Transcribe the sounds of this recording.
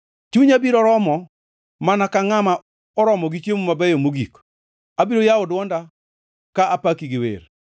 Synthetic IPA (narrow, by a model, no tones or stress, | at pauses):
t͡ʃuɲabiɾɔɾɔmɔ | manakaŋama | ɔɾɔmɔɡit͡ʃjemumabɛjomoɡik | abiɾojaʊdwɔnda | kaʔapakiɡɪwḛr